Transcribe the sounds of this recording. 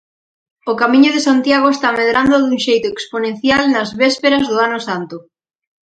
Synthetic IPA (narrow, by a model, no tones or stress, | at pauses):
ʊkamiɲʊðesant̪jaɣ̞oest̪ameðɾand̪ʊðuŋʃejt̪ʊeksponẽn̟θjalnɐzβespeɾɐzðʊanʊsant̪ʊ